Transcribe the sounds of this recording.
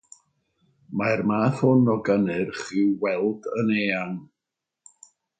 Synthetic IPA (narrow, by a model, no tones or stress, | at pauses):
marmaːθhʊnɔɡənɨrχɪwwɛlˠdəneːan